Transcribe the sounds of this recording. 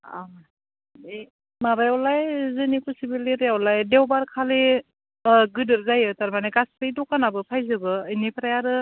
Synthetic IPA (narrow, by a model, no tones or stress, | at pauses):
a | e | mabajawlajzɯnikusibileɾjawlajdewbaɾkʰale | ɡɯdɯɾzajɯtaɾmaneɡastɯjdɔkanabɯpʰajzɯbɯːjnipʰɾajaɾɯ